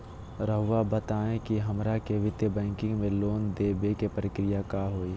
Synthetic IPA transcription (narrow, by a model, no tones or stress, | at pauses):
ɾəɦʊʋabət̪aːẽkiɦəmɾakeʋɪt̪ebɛ̃ːŋkɪ̃ŋɡmẽloːnd̪eːbekepəɾɪkɾɪjakaːɦoːiː